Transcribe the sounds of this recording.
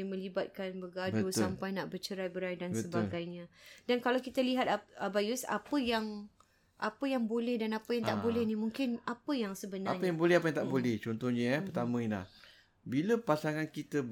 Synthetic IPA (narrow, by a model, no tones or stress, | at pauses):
mə̃libat̪̚kanbəɡadbəusampajnaʔbərt͡ʃəɾajbəɾajdanbsəətb̪aɡajɲãdankalawkit̪aliɦat̪əbajusa̰pəjaŋ | ʔapəjaŋbolɛhdanapəjaŋt̪aʔbolɛhnimũŋkɪnapəjaŋsəbənaaɲəjaŋbolɛhapəjaŋt̪aʔbolɛht͡ʃɔnt̪ɔhɲəət̪amə̃inla̰h | biləpasaŋãnkit̪ə